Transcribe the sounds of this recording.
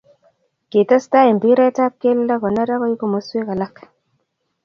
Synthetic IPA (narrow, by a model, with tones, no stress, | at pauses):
ke˨ta˦sta˦i˨m˨bi˦ɾɛ˦ta˦p̚ke˦lla˦kɔ˨na˦ɾa˦kɔ˦i˦ko˨mo˨˦swe˦ka˨la˦k